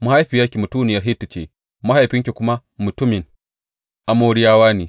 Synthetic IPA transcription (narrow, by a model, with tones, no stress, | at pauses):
mɐ˦ha˦jɸiː˨jaː˦kʲi˨mu˨tuː˦nɪ˨jɐ˦rɦi˦tːu˨t͡ʃḛ˦˨ | ma˦ha˨jɸɪ˦ŋk̬ʲe˨kʷʊ˦ma˦ | mʊ˨tʊ˦mɪ˨ŋ | ʔa˨moː˦ɽɪ˦jaː˦waː˦ni˨